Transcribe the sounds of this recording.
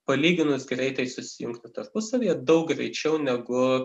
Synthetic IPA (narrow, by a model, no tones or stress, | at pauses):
pɐlʲiːɡʲɪnʊsɡɾʲɛɪt̪ɐɪsʊsʲɪjʊŋkt̪ʲɪt̪ɐrpʊsɐʋʲijɛd̪ɐʊkɡɾʲɛ̰ɪt͡ʃʲɛʊnʲɛɡʊ